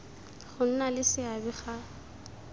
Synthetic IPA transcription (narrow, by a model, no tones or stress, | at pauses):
χʊn̩nalɪsɪabɪχa